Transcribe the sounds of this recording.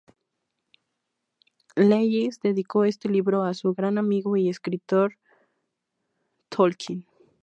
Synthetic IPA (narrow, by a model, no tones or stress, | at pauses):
lejisd̪e̞ðiko̞e̞st̪e̞liβɾo̞asuɣɾanamiɣoieskɾit̪o̞ɾ | t̪ʰolkʰin